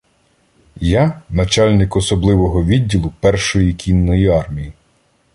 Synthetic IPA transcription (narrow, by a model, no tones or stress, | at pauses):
janɐt͡ʃɑlʲnɪkɔsɔblˠɪʋɔɦɔʋʲidʲːilˠʊpɛrʃɔjikʲʰinːɔjiɑrmʲiji